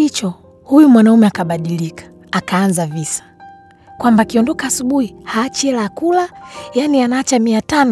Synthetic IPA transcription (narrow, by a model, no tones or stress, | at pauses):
it͡ʃɔ | hujumwanaumɛakaɓaɗilikḁːkaːnzavisḁ | kwambakiɔndɔkaːsuɓuhihaːt͡ʃɛlakulajanianaːt͡ʃamiatan